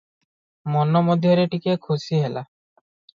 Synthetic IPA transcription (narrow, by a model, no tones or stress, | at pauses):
mɔnɔmɔd̪ʱjɔɾeʈikekʰusiɦela